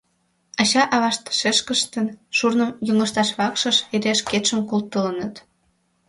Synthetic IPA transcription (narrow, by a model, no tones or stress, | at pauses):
ɑɕɑʔɑβɑʃt̪ə̥ʃeʃkəʃt̪ənʃurnəmjuŋəʃt̪ɑʃβɑkʃəʃeɾʲeʃket̪ʃəmkult̪ːələnət̪